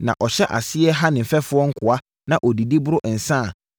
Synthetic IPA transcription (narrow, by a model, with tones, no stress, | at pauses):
nã̰˨ʔɔ˨ɕɛ˦ʔa̰˨sɪ˦ɛ˦ɦa˦nɪ̃˨m̩˨fɛ˦fʊ˦ɔ˦ŋ̩˦kʰʊ˨a˦ | nã˨ʔɔ˨di˨di˦bʊ˦ɾʊ˦ʔn̩˨sã˦˨